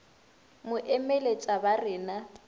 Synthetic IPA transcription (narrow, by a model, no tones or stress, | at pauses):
mʊʔɛmelet͡ʃʼabarɪːna